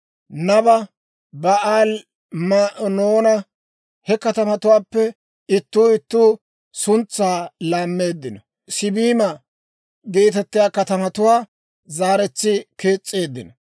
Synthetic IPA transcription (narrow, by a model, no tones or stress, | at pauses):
nɐbɐ | bɐaːl | mnoːnɐ | hɛkɐt̪ɐmɐt̪ʊwaːpːɛ | ɪt̪ːuːɪt̪ːuː | sʊnt͡sːaːlaːmːe̞ːd̪ːɪnɔ | sɪbiːmɐ | ɡe̞ːt̪ɛt̪ːɪjaːkɐt̪ɐmɐt̪ʊwaː | zaːɾɛt͡sːɪkeːt͡sʼːe̞ːd̪ːɪnɔ